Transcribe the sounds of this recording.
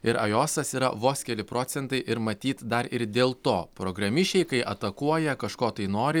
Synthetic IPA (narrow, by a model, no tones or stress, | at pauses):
ɪɾɐ̰joːsɐsiːɾɐ̰ʋoːsʲkʲɛlʲɪpɾoːt̪sʲɛnt̪ɐɪʔɪɾmɐt̪ʲiːt̪d̪ɐɾɪɾd̪ʲeːlˠt̪oːpɾoɡɾɐmʲɪʃʲt͡ʃʲɛɪkɐɪʔɐt̪ɐkuɔjɛkɐʃkoːt̪ɐɪnoːɾʲɪ